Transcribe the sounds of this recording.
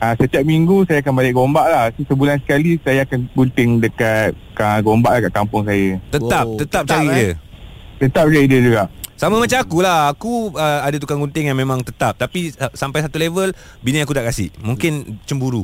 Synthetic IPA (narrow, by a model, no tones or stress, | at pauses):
əsət̪iap̚miŋɡusajakanbalɪʔ̚ɡombaʔlahsusəbulansə̥kalisajaakanɡunt̪ɪŋdəkat̪̚ | əɡombaʔlahkaʔkampʊŋsajət̪ət̪ap̚t̪ət̪ap̚t͡ʃaɾidə | t̪ət̪ap̚d͡ʒəidəd͡ʒuɡaʔsamamat͡ʃamakulahakuəadat̪ukaŋɡunt̪ɪŋjaŋmẽmãŋt̪ət̪ap̚t̪apisampajs̬at̪ulevəl | binəakut̪aʔkasɪ̰ʔmũŋkɪnt͡ʃəmbuɾu